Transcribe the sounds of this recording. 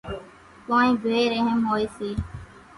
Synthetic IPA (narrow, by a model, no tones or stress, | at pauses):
kaːĩːbʱeːɾeɦəmɦoːiːsiː